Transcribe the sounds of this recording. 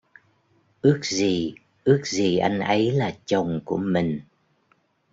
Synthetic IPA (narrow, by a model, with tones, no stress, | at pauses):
ʔɨ˦˥ək̚zi˨˩ | ʔɨ˦˥ək̚zi˨˩ʔa˧jŋ̟ʔə˨˦jlaː˨˩t͡ɕə˨˩wŋ͡mku˧˩əmï˨˩ŋ̟